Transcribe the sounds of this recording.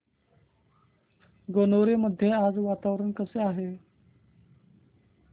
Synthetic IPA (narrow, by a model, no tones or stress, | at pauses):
ɡonoɾeməd̪ʱːjead͡zʋat̪aʋɾəɳkəseaɦe